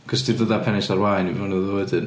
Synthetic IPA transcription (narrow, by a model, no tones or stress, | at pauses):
ɡ̥ɔsd̥irðəðapʰɛnɪsarwajnivnəðodɨn